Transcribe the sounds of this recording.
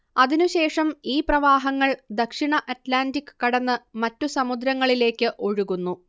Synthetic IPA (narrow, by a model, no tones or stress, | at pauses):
ɐðinuɕe̞ːʂɐmiːprɐʋaːɦɐŋːɐɭd̪ɐkʂiɳɐʔɐtlaːndikːɨ̥kɐɽɐnːɨmɐtːusɐmud̪ɾɐŋːɐɭile̞ːkːɨʔo̞ɻuɣunːu